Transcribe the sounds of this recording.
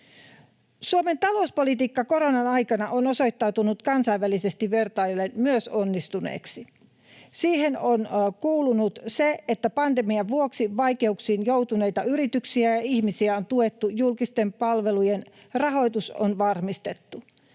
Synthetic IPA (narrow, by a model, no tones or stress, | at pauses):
suome̞nt̪ɑlo̞uspo̞lit̪iːkːɑko̞ɾo̞nɑnɑjkɑnɑʔono̞so̞jt̪ːɑwt̪unut̪kɑnsɑjʋælise̞st̪iʋʋe̞rt̪ɑjlːenmyøso̞nːist̪unḛːksi | siːɦe̞no̞nkuːlunut̪seet̪ːæpɑnd̪emiɑʋʋuoksiʋɑjke̞uksiːnjo̞wt̪une̞jt̪ɑyɾit̪yksiæjɑihmisiæont̪uet̪ːujulkist̪e̞mpɑlʋe̞lujen | rɑɦo̞jt̪usonʋɑrmist̪e̞t̪ːu